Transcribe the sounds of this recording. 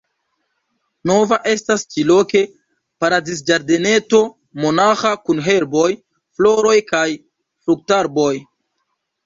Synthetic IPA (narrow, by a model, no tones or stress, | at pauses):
no̞vaʔe̞stast͡ʃilo̞ke̞ | paɾadis̬d͡ʒaɾde̞ne̞to̞ | mo̞naxakunɦe̞ɾbo̞j | flo̞ɾo̞jkaj | fɾuk̚taɾbo̞j